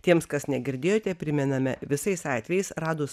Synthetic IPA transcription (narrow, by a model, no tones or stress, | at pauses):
t̪ʲiɛmskɐsnʲɛɡʲɪɾʲd̪ʲeːjoːt̪ʲɛpʲɾʲɪmʲɛnɐmʲɛʋʲɪsɐɪsɑːt̪ʲʋʲɛjɛɪsɾɑːd̪oːs